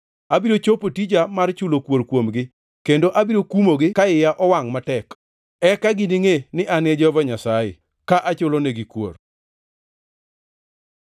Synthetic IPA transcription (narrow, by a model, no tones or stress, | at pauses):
abiɾot͡ʃopotid͡ʒamart͡ʃʊlokwoɾkwomɡɪ | kendoʔabiɾokumoɡɪkaɪjaʔɔwaŋmatɛk | ɛkaɡiniŋenɪʔaned͡ʒɔvɔɲasaɪ̰ | kaʔat͡ʃoloneɡikwo̰r